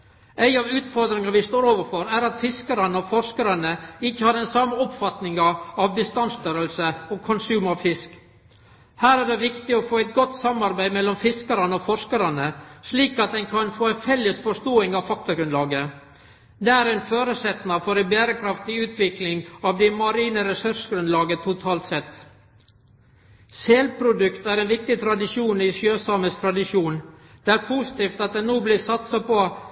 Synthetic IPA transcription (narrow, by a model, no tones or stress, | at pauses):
æɪɑʋʉːt̪fɔɾd̪ɾɪŋɑɾʋɪst̪oːɾoːʋəɾfɔɾæɾɑt̪fɪskəɾənəɔfɔʂkəɾənəɪçːəhɑːɾdɛnsɑmːəɔpfɑt̪nɪŋɑɑʋbəst̪ɑnst̪œɾəlsəɔkʰɔnsʉːmɑʋfɪsk | hæːɾæɖ̪ɛʋɪkt̪ɪɔfoːæɪt̪̚ɡɔt̪ːsɑmɑɾbæɪmɛlːɔmfɪskəɾənəɔfɔʂkəɾənəsliːkɑt̪̚d̪ænkʰɑnfoːæɪnfɛlːəsfɔʂt̪oːɪŋɑʋfɑk̚t̪ɑɡɾʉnlɑːɡə | d̪ɛæːɾɛɪnføːɾəsɛt̪nɑfɔɾɪbeːɾəkʰɾɑft̪ɪʉːt̪ʰʋɪklɪŋɑʋd̪ɛmɑɾiːnəɾɛsʉɾʂɡɾʉnlɑːɡət̪ʰʊt̪ʰɑːlt̪sɛt̪ː | seːlpʰɾʊd̪ʉkt̪æɾɛːnʋɪk̚t̪ɪt̪ʰɾɑd̪ɪʂjuːnɪʂjøːsɑməst̪ʰɾɑd̪ɪʂjuːnd̪̥ɛːæɾpʰuːsɪ̥t̪iːft̪ɑt̪̚d̪ɛnnoːblɪsɑt̪sɑpɔ